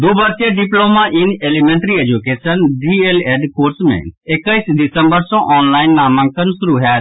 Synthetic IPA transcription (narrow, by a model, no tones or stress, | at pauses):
d̪uːbəɾteɖɪploːmaʔɪneːlimẽːɳʈɾied͡ʒukeːsənɖieleːɖkoːɾsmɛ̰̃ɪkːəisɖɪsə̃mbəɾsɔ̃ʔɔːnlaːɪnːaːmə̃ŋkənsʊɾuɦɛː